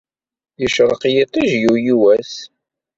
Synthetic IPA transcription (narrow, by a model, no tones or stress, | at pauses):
jəʃɾˤəqjit̪ˤiʒjujiwæs